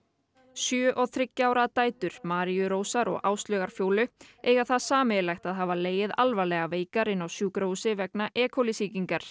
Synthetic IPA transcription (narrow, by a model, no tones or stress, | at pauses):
sjœːʔɔɣθɾɪcːaːwɾat̪aːjt̪ʏɾ̥maːɾijʏɾoːwsaɾɔ̰ɣʔaːwst̪lœːɣaɾ̥fjoːwlʏeːjɣaθaðsaːmɪlajxt̪aðɦaːvaleːjɪðalvalɛɣaveːjkaɾɪnːawsjuːkɾowsɪvɛknaʔɛːkʰowlɪsiːciŋkaɾ̥